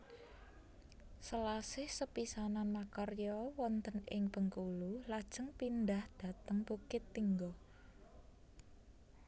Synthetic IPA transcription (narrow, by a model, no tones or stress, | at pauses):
səlasɪhsəpisananmakɔrjɔwɔnt̪ənɪŋb̥ə̤ŋkululad̥ʒ̥əŋpind̪ahd̪̥ä̤t̪əŋbokɪt̪ːiŋɡɔ